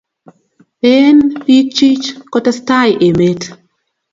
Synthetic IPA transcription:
e˦npi˦k̚t͡ʃi˦t͡ʃkɔ˦ta˦sta˦jʔe˨me˦t

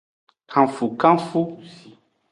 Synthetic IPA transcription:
kʰã˨fu˨kã˦fu˦

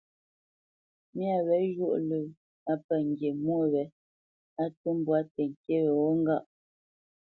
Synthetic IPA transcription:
mja˨βɛ˨˦ʒu˦˨ʔlə˨ | a˦pə˨ŋ̩˨ɡje˨mwo˦˨wɛ˨˦ | a˦tə˦m˦bwa˦tɛ˨ŋ̩˨ke˦wɛ˨wɔ˦ŋ̩˦ɡa˦˨ʔ

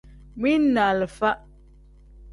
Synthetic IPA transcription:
mwi˦na˨lə˨fa˦ʔ

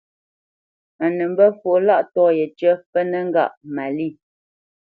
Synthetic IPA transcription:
a˨nə˨m˦bə˦fo˨˦la˦ʔtɔː˦˨jɛ˨t͡ʃə˦pə˦nə˦ŋ˦ɡa̰˦˨ʔma˨li˦˨

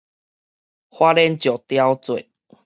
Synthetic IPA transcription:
hwa˦lɛ˦nt͡ɕjɔ˨˩t̪ja˦wt͡swe˨

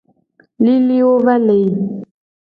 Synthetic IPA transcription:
li˦li˦o˦βa˦le˨

